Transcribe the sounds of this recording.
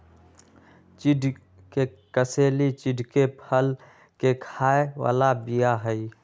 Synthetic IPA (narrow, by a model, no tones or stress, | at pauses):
t͡ʃɪɖʱ | ke | kəseːlit͡ʃɪɖʱkepʰəl | kekʰaːewa̰ːlabijaɦəi